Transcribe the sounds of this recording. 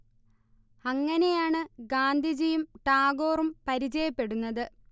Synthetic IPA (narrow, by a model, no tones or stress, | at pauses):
ɐŋːɐne̞jaːɳɨɡaːnd̪ʱid͡ʑijumʈaːɡo̞ːrumpɐɾid͡ʑɐjɐpːe̞ɽunːɐðɨ